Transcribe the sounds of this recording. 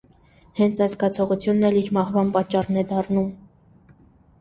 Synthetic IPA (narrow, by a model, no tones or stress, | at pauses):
hɛnt͡sʰɑjskɑt͡sʰɔʁut͡sʰjunːɛliɾmɑhvɑnpɑt͡ʃːɑrnɛd̪ɑrnum